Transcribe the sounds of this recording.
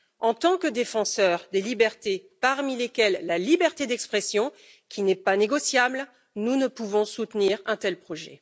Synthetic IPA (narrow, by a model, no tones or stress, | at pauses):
ɑ̃t̪ɑ̃kəd̪efɑ̃sœʁd̪elibɛʁt̪epaʁmilekʲɛlːalibɛʁt̪ed̪ɛkspχɛsjɔ̃ | kʲʰinɛpaneɡɔsjabl | nunəpuvɔ̃sut̪niʁɛ̃t̪ɛlpχɔʒɛ̰